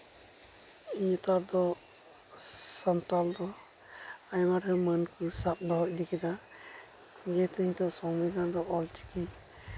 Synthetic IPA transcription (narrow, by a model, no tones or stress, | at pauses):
iɲt̪ad̪ɔ | sɔnt̪ald̪ɔ | ajmaɾɛmənkusap̚d̪ɔɦɔc̚d̪ikid̪a | ɡɛt̪iɲt̪ɔsɔŋbid̪and̪ɔʔɔlt͡ʃi̥ki